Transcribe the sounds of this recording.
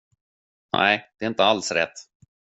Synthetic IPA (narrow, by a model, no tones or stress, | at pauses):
næ̰ɪd̪̥ɛɾɪnt̪əalsɾɛ̰t̪ː